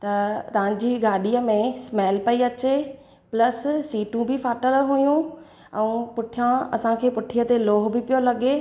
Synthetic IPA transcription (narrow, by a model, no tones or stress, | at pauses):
t̪ɐt̪ɐʋ̤ãɲ̆d͡ʑiːɡaːɗijəmẽsmɛːlpɐiɐt͡ɕe | plɐssiːʈũbʱɪfʰaːʈəlɦujũ | ɛ̃ũpʊʈʰijãɐ̰sãkʰeːpʊʈʰijət̪eloːɦbɪpijolɐɠeː